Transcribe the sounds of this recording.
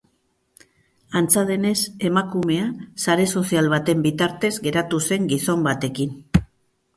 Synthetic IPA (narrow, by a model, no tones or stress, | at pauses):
ant͡sað̞e̞ne̞se̞makume̞asaɾe̞so̞sialβat̪e̞mbit̪aɾt̪e̞zɡe̞ɾat̪use̞ŋɡiso̞mbat̪e̞kin